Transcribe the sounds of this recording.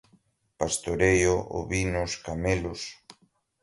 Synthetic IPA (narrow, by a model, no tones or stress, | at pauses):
past̪oɾejoo̰βinʊskamelʊs